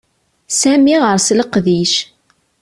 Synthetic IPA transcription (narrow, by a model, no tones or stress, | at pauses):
sæmiʁəɾˤsləqðiʃ